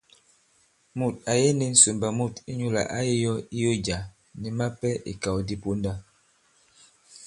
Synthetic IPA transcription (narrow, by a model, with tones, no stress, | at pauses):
mu˨t̚a˨je˦ni˨n̩˨˦su˨mba˨mu˦˨ti˦ɲu˦la̰˨ʔa˦ji˦jɔ˦i˦jo˦d͡ʒa˨ | ni˨ma˦pɛ˦ʔḭ˨ka˨wo˨di˦po˦nda˦